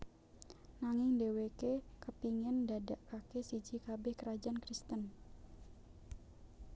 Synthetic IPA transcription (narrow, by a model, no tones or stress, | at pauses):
naŋɪŋdewekekəpiŋɛndadaʔkakesid͡ʒikabɛhkəɾad͡ʒaankɾist̪ən